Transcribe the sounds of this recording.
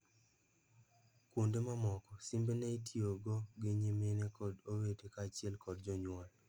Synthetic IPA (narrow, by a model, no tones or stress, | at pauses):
kwondemamɔkɔsimbeneitʰioɡɔɡeɲemenekɔdowetekaːt͡ʃɪɛlkɔdd͡ʒɔɲwal